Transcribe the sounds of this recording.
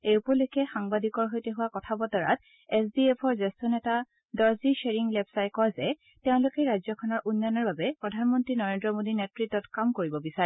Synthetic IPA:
ejupɔlʊjkɛxaŋbadikɔɹɦojteɦʊwakɔtʰabɔtɔɹa̰t̚ | ɛsdiepʰɔɹzestɔnɛta | dɔɹziʃeɹiŋlɛpsajkɔzɛ | teʊ̃lʊkɛjɹajzjɔkʰɔnɔɹʔunːanɔɹbabɛpɹɔdʱanmɔntɹinɔɹendɹɔmodinetɹitːɔtkamkoɹibɔbisaɹɛ

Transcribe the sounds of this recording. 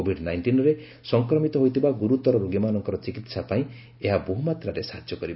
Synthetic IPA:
obʱiɖnajnʈinɔɾe | sɔŋkɾɔmit̪ɔɦojt̪ʰibaɡuɾut̪ɔɾɔɾoɡimanɔŋkɔɾɔt͡ʃikit̪sapaĩ | eɦaboɦumat̪ɾaɾesaɦad͡ʒjɔkɔɾib

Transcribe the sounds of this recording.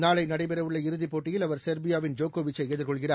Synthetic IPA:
naːɭɐɪnɐɽɐɪpɛɾɐʋɯɭːɐɪɾɯðɪpːoːʈːɪjɪlɐʋɐɾsɐɾbɪjaːʋɪnd͡ʒoːkoːʋɪt͡ʃːɐejːðɪɾkɔɭɣɪraː

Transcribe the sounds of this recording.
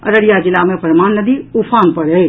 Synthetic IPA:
ɐ̰ɾəɽijad͡ʒɪlamẽpəɾmaːnːəd̪iupʰaːnpəɽeː

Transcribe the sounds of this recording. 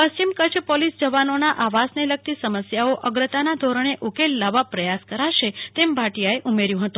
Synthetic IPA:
pəst͡ʃimkət͡ʃʰpɔlisd͡ʒəʋanonaʔaʋasnelək̚t̪isəməsjaoʔəɡɾət̪anad̪ʱoɾəɳ̃eʔukelːaʋapɾəjaskəɾaʃet̪embʱaʈijaeʔumeɾjũɦət̪ũ

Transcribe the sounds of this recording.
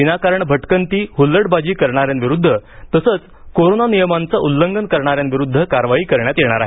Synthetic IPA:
inakaɾəɳbʱəʈkənt̪iːɦulːəɽbad͡ʑiːkəɾɳaɾjanʋiɾud̪ʱːət̪əsət͡s | koɾonanijəmant͡saʔulːəŋɡənkəɾɳaɾjãnʋiɾud̪ʱːəkaɾʋaɦiːkəɾɳjat̪jeɽ̃aɾaɦe

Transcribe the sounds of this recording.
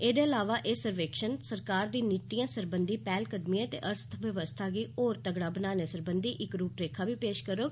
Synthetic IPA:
eːd̪eːəlaːʋaːʔeːsəɾʋeːkʃənsəɾkaːɾd̪iːniːt̪iːãːsəɾbənd̪iːpɛːlkəd̪miãːt̪ḛːʔəɾst̪ʰʋəʋəst̪ʰaːɡiːoːɾt̪əɡɽaːbənaːneːsəɾbənd̪iːʔɪkɾuːpɾeːkʰaːbiːpeːʃkəɾoː

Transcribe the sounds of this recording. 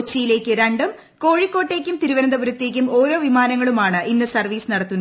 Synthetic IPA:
t͡ɕːijile̞ːkʲːɨɾɐɳɖɐm | ko̞ːɻikːo̞ːʈːe̞ːkʲːumt̪iɾuʋɐɾɐnd̪ɐbuɾɐt̪ːe̞ːk̬ʲːumo̞ːɾo̞ːʋimaːnɐŋːɐɭumaːɳɨʔinːɨsɐrʋiːsnɐɽɐt̪ːunːɐ

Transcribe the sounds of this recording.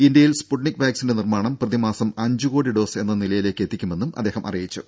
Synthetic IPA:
ind̪jɐjilspuʈɳikːʋjaːksinde̞nirmaːɳɐmprɐðimaːsɐmɐɲd͡ʑuɣo̞ːɽiɖo̞ːse̞nːɐnilɐjile̞ːkːe̞t̪ːikʲːume̞nːumʔɐ̰d̪ːeːɦɐmʔɐ̰rijit͡ɕːu

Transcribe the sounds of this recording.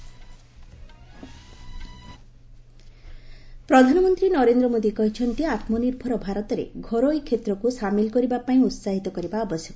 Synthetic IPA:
pɾɔd̪ʱanɔmɔnt̪ɾinɔɾend̪ɾɔmod̪ikɔɦit͡ʃʰɔnt̪iat̪mɔniɾbʱɔɾɔbʱaɾɔt̪ɔɾḛɡʱɔɾojkʰːet̪ɾɔkusamilkɔɾibapaĩut̪saɦit̪ɔkɔɾibaɔbɔsjɔk

